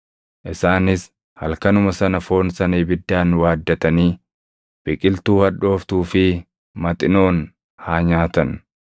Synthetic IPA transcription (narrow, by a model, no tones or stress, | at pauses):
ʔɪsaːnɪs | hɐlkɐnʊmɐsɐnɐfo̞ːnsɐniːbɪd̪ːaːnwaːd̪ːɐt̪ɐniː | b̥ɪkʼɪlt̪uːhɐᶑo̞ːft̪uːfɪ | mɐt̪ʼɪno̞ːn | haːɲaːt̪ɐn